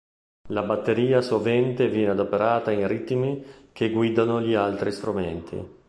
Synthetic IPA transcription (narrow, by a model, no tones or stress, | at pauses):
labat̪ːeɾiːasovɛnt̪evjɛːnead̪opeɾaːt̪ainrit̪mik̟eɡwid̪anoʎialt̪ɾist̪ɾumɛnt̪ʰḭ